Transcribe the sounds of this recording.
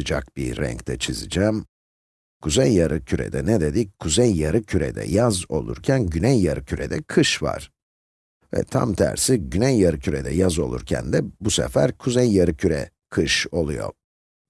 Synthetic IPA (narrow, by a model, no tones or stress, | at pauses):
ɯd͡ʒak̚biːɛ̰ɲct̪ʰɛt͡ʃʰizɯd͡ʒɛːm | kʰuzejːaɾʔɯcʰyɾɛ̰d̪ɛnɛd̪ed̪ikʰːuzejːaɾɯcʰyɾɛ̰d̪ɛ̰jazo̞lˠṵɾcʰænɟynɛjːaɾɯcʰyɾɛd̪ɛkʰɯʃva̰ɾ̥ | vɛ̰t̪ʰa̰mt̪ʰæ̰ɾsiɟynɛjːaɾɯcʰyɾɛd̪ɛjazo̞lˠṵɾcʰæ̰nd̪ɛbusɛ̰fæɾkʰuzejːaɾɯcʰyɾɛ̰ | kʰɯʃo̞lˠujo̰